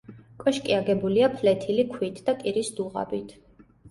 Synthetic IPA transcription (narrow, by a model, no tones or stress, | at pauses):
kʼɔʃkʼiaɡɛbuliapʰlɛt̪ʰilikʰwit̪ʰd̪̥akʼiɾisd̪̥uʁa̰bit̪ʰ